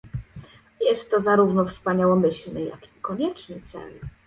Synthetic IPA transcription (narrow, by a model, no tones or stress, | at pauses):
jɛst̪ːɔzaɾuvnɔfspaɲawɔmɘɕlnɛja̰kikɔɲɛt͡ʂnɘt̪sɛ̰l